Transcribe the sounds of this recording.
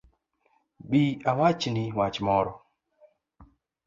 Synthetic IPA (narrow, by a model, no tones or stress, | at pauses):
ɓiawat͡ʃiniwat͡ʃmɔɾɔ